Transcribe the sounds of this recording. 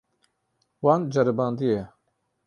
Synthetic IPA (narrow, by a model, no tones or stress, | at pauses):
wand͡ʒɐɾibaːnd̪ije